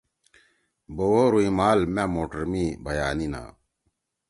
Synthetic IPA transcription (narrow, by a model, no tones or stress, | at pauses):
bowoɾuimaːlmamoːʈəɾmibʱɐjaːnina̰ː